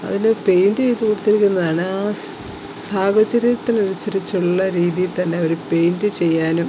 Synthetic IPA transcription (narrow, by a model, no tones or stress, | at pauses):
ɐ̰ðinepe̞jndɨejt̪ːukuːɽut̪ːikʲːunːɐðaːɳɨaː | saːɡɐt͡ɕːɐɾijɐt̪ːinoɾɐt͡ɕːɐɾit͡ɕːuɭɭːɐɾiːðijit̪ɐnːe̞ɐʋɐɾupe̞jndɨt͡ɕe̞jːaːnum